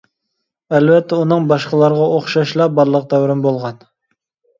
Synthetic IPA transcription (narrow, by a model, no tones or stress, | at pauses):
ɛlvɛt̪ʰːɛunɨŋbɑʃqəlˠɑɾʁɑoχʃɑʃlˠɑbɑɾlˠəq̚d̪ɛwɾɪmbolˠʁɑn